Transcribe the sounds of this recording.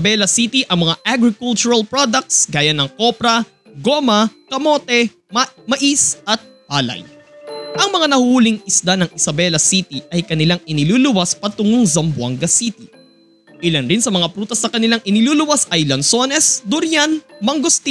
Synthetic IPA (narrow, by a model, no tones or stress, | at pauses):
ɐbɛlɐsit̪iʔɐŋmɐŋaʔaɡɾɪkult͡ʃʊɾɐlpɹod̪ɐk̚t̪sɡaːjɐnɐŋko̞pɾɐ | ɡo̞mɐkɐmo̞ːt̪ɛ | mɐʔisɐt̪̚haːlɐ̰j | ʔɐŋmɐŋanɐhuːlɪŋɪslanɐŋʔɪsɐbɛlɐsit̪iʔɐjkɐnɪlaŋʔɪnɪluːlʊwaspɐt̪ʊŋʊŋzɐmbʊɐ̰ŋɡɐsit̪ɪ | ʔɪlɐnɾinsɐmɐŋapɾuːt̪ɐsnɐkɐnɪlaŋʔɪnɪluːlʊwasɐjlɐnso̞nɛsd̪ʊɾjanmɐŋɡost̪i